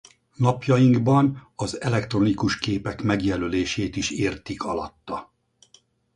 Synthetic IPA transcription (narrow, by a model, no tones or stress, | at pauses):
nɒpjɒjiŋɡbɒnɒzɛlɛkt̪ro̞nikuʃkeːpɛkmɛɡjɛløleːʃeːt̪iʃeːrt̪ikɒlɒ̰t̪ːɒ